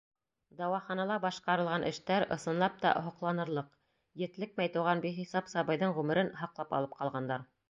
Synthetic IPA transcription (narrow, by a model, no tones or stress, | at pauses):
d̪ɑwɑχɑnɑlˠɑbɑʃqɑɾɤ̆lˠʁɑnʔɘ̆ʃt̪æɾɤ̆sɤ̆nlˠɑp̚t̪ɑ̰ɦŏqlˠɑnɤ̆ɾlˠɤq | jɘ̆t̪lɘk̚mæjt̪ŭwʁɑnbiχisɑpsɑβɤ̆jðɤɴʁʉmɘ̆ɾɘnɦɑqlˠɑpɑ̰lˠɤp̚qɑlˠʁɑnd̪ɑɾ